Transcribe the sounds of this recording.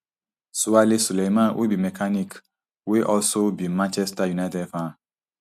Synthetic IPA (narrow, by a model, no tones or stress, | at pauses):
suwalesulejmãwʔḛbimɛkʰanik | weʔɔlsobimãnt͡ʃɛstajunatɛdfã